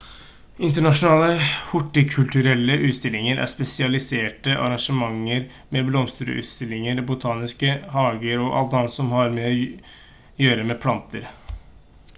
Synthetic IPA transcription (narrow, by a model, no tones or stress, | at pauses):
ɪnt̪əɳɑʂʊnɑːləhʊʈːɪkʰʉlt̪ʉɾɛlːəʔʉːt̪st̪ɪlːɪŋəɾæ̰spɛsɪɑlɪseːʈəʔɑ̰ɾɑŋʂəmɑŋːəɾ | mɛblɔmst̪ɾə̰ʉ̰ːt̪st̪ɪlːɪŋəɾbʊt̪ʰɑːnɪskəhɑːɡəɾɔʔɑ̰lt̪ɑnt̪sɔmhɑɾmeːɔ | jøːɾəmɛpʰlɑnt̪ʰəɾ